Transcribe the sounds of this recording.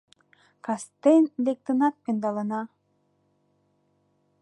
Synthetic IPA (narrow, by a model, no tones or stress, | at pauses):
kɑst̪end̪ek̚t̪ənɑt̪̚pend̪ɑlənɑ